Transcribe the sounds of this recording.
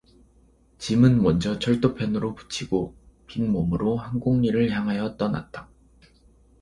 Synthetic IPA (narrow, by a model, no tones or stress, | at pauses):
t͡ɕimɯnmʌnd͡ʑʌt͡ɕʰʌɭt͈opʰjʌnɯɾopu̥t͡ɕʰiɡ̥opiŋmomɯɾohaŋɡuŋɲiɾɯɭçaŋɦajʌt͈ʌna̰t̚t͈ḁ